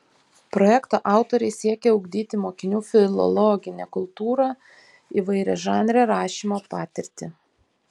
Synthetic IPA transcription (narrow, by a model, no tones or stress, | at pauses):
pɾɔjɛkt̪oːʔɑˑʊt̪oɾʲɛɪsʲiɛkʲɛʊɡd̪ʲiːt̪ʲɪmoːkʲɪnʲuːfʲɪlˠɔ̰lˠɔɡʲɪnʲɛkʊlˠt̪uːɾɑ | iʋɐɪɾʲɛʒɑːnʲɾʲɛːɾɑːʃʲiːmoːpɑːt̪ʲɪɾʲt̪ʲɪ